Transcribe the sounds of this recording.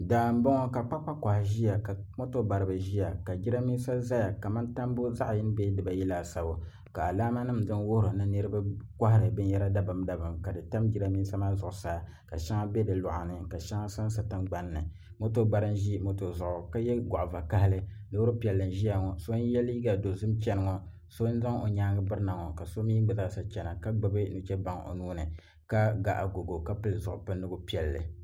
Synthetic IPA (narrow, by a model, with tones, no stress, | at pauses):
daː˨m̩˦bo˦ŋɔ˦ka˨k͡pa˦k͡pa˦ka˨hʒi˦ja˨ka˨mo˦to˦ba˨ɾɨ˨bɨ˨ʒi˦ja˨ka˨d͡ʒi˦ɾa˦mi˦n˦sa˦za˦ja˨ka˨ma˦nta˦m˦bo˦za˦ʔji˦n˦be˦dɨ˨ba˨jɛ˦laː˨sa˨bo˨ | ka˨a˨laː˦ma˦nɨ˦mdɨ˦nwo˦hɾɨ˨nɨ˦nɨ˦ɾɨ˦ba˦ka˦ha˦ɾɨ˨bɨ˦njɛ˦ɾa˦da˦bɨ˨mda˨bɨ˨mka˨dɨ˨ta˦md͡ʒi˦ɾa˦mi˦sa˦ma˦zʊ˨ʔʊ˨saː˦ | ka̰˨ʃa˦ŋa˦be˦dɨ˨lʊ̰˨ʔa˨nɨ˨ka˨ʃa˦ŋa˦sa˦n˦sa˨tɨ˦mɡ͡ba˦nː˦ɨ˨ | mo˦to˦ba˦ɾɨ˦n˦ʒi˦mo˦to˨zʊ˨ʔʊ˨ka˦jɛ˦ɡa˨ʔva˨ka˦hlɨ˦ | nɨ˦wʊ˦ɾɨ˦pi˨ɛ˨lːɨ˨n˨ʒi˦a˨ŋɔ˨so˦n˦jɛ˦li˦i˦ɡa˨do˨zɨ˦mt͡ʃɛ˦nɨ˨ŋɔ˨ | so˦n˦za˦ŋo˨ɲaː˦ŋɨ˦bɨ˦ɾna˨ŋɔ˨ka˨so˦mi˦ɡ͡bɨ˨zsa˦t͡ʃɛ˨na˨ka˦ɡ͡bɨ˦bɨ˦nu˨t͡ʃɛ˦ba˦ŋo̰˨nuː˦nɨ˨ | ka˦ɡa˨ʔa˨ɡo˨ɡo˨ka˦pɨ˨lzʊ̰˨ʔʊ˨pɨ˦nːɨ˦ɡʊ˦pi˦ɛ˨lːɨ̰˨